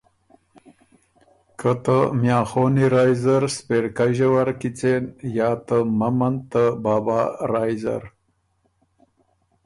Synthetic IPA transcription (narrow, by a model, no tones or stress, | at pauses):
kʰət̪əmjɑ̃ːxoːniɾaːjzaɾspeɾkaʒewaɾkit͡senjɑːt̪əmɐmɐnt̪əbaːbaːɾaːjza̰ɾ